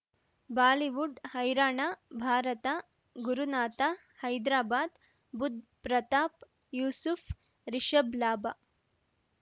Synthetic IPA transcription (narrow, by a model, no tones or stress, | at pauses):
baːliʋuɖhɐjɾaːɳaːbʱaːɾɐt̪a | ɡuɾunaːt̪a | hɐjd̪ɾaːbaːd̪ | bud̪̚ʱpɾɐt̪aːp | juːsufʰ | ɾiʃɐblaːba